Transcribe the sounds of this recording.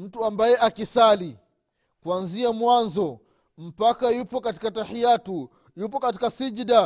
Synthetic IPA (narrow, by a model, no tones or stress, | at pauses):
m̩tuambajɛʔakisali | kwanziamwanzɔ | m̩pakajupɔkati̥katahijatu | jupɔkati̥kasid͡ʒda